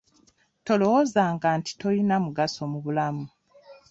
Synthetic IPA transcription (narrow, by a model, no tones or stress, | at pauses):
to̞lo̞wozaːŋɡaːnti̥to̞linamuɡaso̞muβulamu